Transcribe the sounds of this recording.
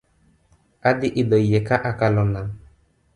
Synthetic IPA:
ad̪iʔid̪əjekaʔakalɔnam

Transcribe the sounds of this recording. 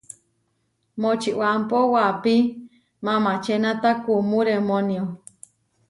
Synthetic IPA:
mot͡ʃiʔwampowapi | mãmat͡ʃenat̪akumuɾemonio

